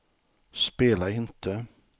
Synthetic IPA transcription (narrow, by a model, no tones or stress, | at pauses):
speːlaɪnt̪ʰə